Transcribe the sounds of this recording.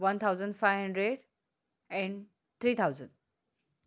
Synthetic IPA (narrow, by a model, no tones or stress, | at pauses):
ʋʌnt̪ʰawzə̃ɳɖfajʋɦə̃ɳɖɾeɖ | ɛ̃ɳ | t̪ʰɾiːt̪ʰawzə̃nɖ